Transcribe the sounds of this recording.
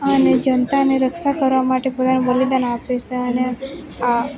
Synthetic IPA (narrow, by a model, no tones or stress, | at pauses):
əned͡ʒənt̪aneɾəkʃakəɾʋamaʈepot̪anubəlid̪anapet͡ʃeəne | a